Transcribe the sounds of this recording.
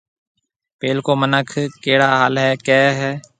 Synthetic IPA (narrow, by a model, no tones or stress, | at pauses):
peːlkoːmənəkʰkeːɽaːɦaːlɦɛːkɛːɦɛː